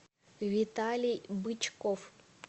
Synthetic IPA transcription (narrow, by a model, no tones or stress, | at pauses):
vʲit̪alʲijbɨt͡ʃkof